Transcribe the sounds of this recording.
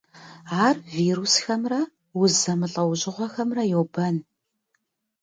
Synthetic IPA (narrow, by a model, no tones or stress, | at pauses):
aːrviːɾusxɐmrɐ | wʊzɐmɨɬʼɐwʑʼɪʁʷɔxɐmrɐjowbɐn